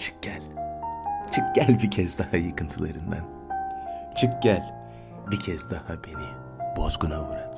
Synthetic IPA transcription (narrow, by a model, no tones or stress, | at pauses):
t͡ʃʰɯ̥k̚ɟ̥ælʲ | t͡ʃʰɯk̚ɟælʲbicʰɛzd̪ahajakʰɯnt̪ʰɯlˠaɾɯnd̪a̰n | t͡ʃʰɯk̚ɟælʲ | bicʰɛzd̪ahabe̞ni | bozɡunabuɾat̪